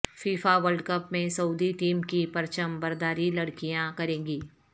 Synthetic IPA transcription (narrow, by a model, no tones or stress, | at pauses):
fiːfaʋəlɖkəpmẽsɐud̪iʈiːmkipɐɾt͡ʃəmbɐɾd̪aːɾilɐɽkijãkɐɾẽːɡiː